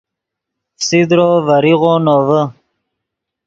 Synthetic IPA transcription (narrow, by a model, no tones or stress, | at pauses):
fsid̪ɾoːvaɾiɣonoːvə